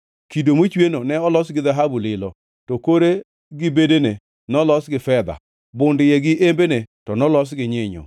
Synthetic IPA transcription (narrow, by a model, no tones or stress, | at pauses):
kidomot͡ʃwenonɛɔlɔsɡɪðaɦabulɪlɔ | tɔkoɾe | ɡɪbedene | nɔlɔsɡɪfɛd̪a̰ | bʊndɪjɛɡɪʔembenetɔnɔlɔs̬ɡɪɲɪɲɔ̰